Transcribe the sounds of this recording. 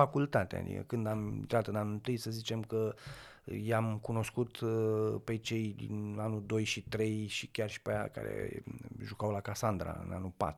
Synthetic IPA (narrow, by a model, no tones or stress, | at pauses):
akult̪at̪ḛa̰d̪ḭkə̰kɨnd̪amiint̪ɾat̪ɨnanunt̪ɨjsəzit͡ʃe̞mkə | jamkuno̞skut̪pe̞t͡ʃe̞jd̪ḭnanud̪o̞jʃit̪ɾe̞jʃikʲarʃi̥peja̰ka̰ɾḛʒukawlakasand̪ɾa̰ɨ̰na̰nupa̰t̪ɾ